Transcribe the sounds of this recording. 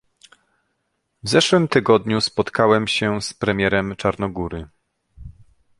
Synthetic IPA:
vzɛʂwɘmt̪ɘɡɔd̪ɲuspɔt̪kawɛmɕɛspɾɛmʲjɛɾɛmt͡ʂaɾnɔɡuɾɘ

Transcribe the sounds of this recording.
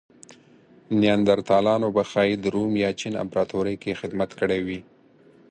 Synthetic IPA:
njand̪aɾt̪ɑlɑnobaxɑjid̪əɾumjɑt͡ʃina̰mpɾɑt̪oɾikexɪd̪mat̪kəɽewi

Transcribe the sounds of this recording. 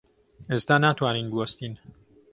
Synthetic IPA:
ezt̪aːnat̪ʰwaːniːnd̪uost̪iːn

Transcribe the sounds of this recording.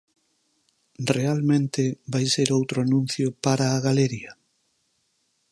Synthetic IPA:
realmẽnt̪ebajseɾowt̪ɾʊanũn̟θjʊpaɾaːɣaleɾiɐ

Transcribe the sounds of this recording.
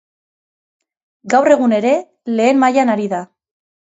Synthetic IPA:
ɡawre̞ɣune̞ɾe̞ | le̞ːmmajanaɾiða

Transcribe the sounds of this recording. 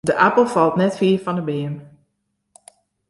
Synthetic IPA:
dəʔapəl̩ˠfɑlˠtnɛtfiəɹfɔndəbɪːən

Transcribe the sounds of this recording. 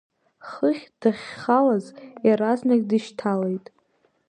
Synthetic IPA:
χəχʲd̥aχʲχalazjaɾaznakʲʼdɨʃtʰalejtʼ

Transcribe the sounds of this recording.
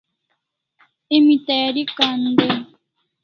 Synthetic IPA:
emĩt̪ajaɾikand̪e

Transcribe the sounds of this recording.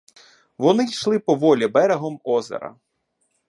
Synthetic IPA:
ʋɔnɪjʃlˠɪpɔʋɔlʲibɛɾeɦɔmɔzḛɾɐ̰

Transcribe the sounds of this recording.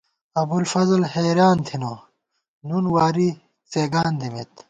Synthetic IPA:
ɐbulfɐzlheːɾaːnt̪ʰino | nunwaːɾi | t͡seːɡaːnd̪imḛt̪

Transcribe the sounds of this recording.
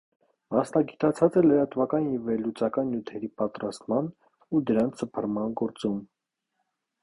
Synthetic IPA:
mɑsnɑɡit̪ɑt͡sʰɑt͡sɛləɾɑt̪vɑkɑnjɛvɛɾlut͡sɑkɑnːjut̪ʰɛɾipɑt̪ɾɑst̪mɑn | ud̪əɾɑnt͡sʰəpʰərmɑnɡɔɾt͡sum

